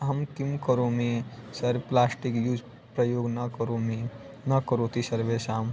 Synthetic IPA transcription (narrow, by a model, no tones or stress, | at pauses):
ɦəmkimkəɾomesəɾplaːsʈikjuːd͡ʒ | pɾəjoːɡnəkəɾomi | nəkəɾot̪ʰisəɾʋesam